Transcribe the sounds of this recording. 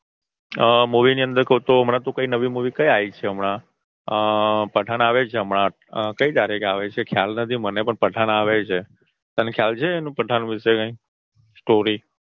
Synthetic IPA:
əmuʋiniə̃nd̪əɾkəũt̪oəmɽãt̪õkəinəʋimuʋikəjait͡ʃʰeəmɳa | əpəʈʰanaʋet͡ʃʰeəmɳã | kəid̪aɾekaʋet͡ʃʰekʰjalnət̪ʰimənepəɳpəʈʰanaʋet͡ʃʰe | t̪anẽkʰjalt͡ʃʰeːnũpəʈʰanũʋɪʃekə̃ĩ | sʈoɾi

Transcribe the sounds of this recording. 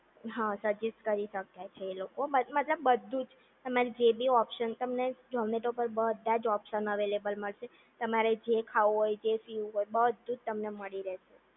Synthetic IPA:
ɦãsəd͡ʒɛsʈkəɾiʃəkjat͡ʃʰeːlokobəmət̪ləbːəd̪ʱːũd͡ʒ | t̪əmaɾid͡ʒebʱiɔpʃənt̪əmned͡ʒɔmneʈopəɾbəd̪ʱãd͡ʒɔpʃənəʋelebəlməɭʃe | t̪əmaɾed͡ʒekʰauɦojd͡ʒefiuɦojbəd̪ʱːud͡ʒt̪əmneməɭiɾɛʃe

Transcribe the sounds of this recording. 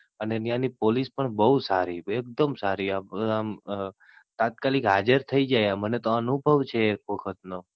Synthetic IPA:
ənenjanipolispəɳbəɦusaɾiek̚d̪əmsaɾiaam | t̪at̪̚kalikɦad͡ʒəɾt̪ʰəid͡ʒajamənet̪oənubʱəʋt͡ʃʰeːk̚ʋəkʰət̪̚no

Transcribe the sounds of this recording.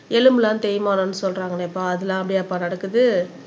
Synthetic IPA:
ɛlɯmlãːt̪ɛjmaːnoːnːɯsɔlrɾaːŋɡɐnɪpːaːɐðɯlãːɐpːɐɽɪjaɐpːaːnɐɽɐkːɯðɯ

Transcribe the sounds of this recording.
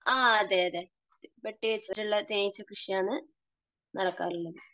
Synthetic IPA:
aːɐðeɐðe | beʈːiʋet͡ɕːɨɾiɭːɐt̪eːjit͡ɕːɐkrɨʂijaːnːɨ | nʔɐɽɐkːa̰ːnilːɐðɨ

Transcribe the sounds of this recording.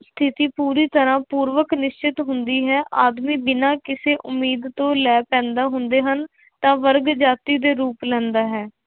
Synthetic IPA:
st̪ʰɪt̪iːpuːɾiːt̪əɾãːpuːɾʋəknɪʃt͡ʃɪt̪ɦʊnd̪iːɦɛːʔaːd̪miːb̪ɪnãːkɪseːʔʊmːiːd̪t̪õːlɛːpɛ̃ːnd̪aːɦʊnd̪eːɦən | t̪ãːʋəɾɡd͡ʒaːt̪iːd̪eːɾuːplɛ̃ːnd̪aːɦɛː

